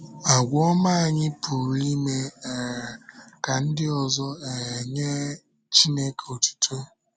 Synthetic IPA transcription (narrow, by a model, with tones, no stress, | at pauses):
a˨ɡʷɔ˦ma˦a˨ɲɪ˦pʰu˨ɾi˦me˦˨ɾka˨n̩˦dɪ˦ɔ˨zɔ˦e˨ɲe˦ | t͡ʃi˦ne˦ko˨tu̥˦tʰo˦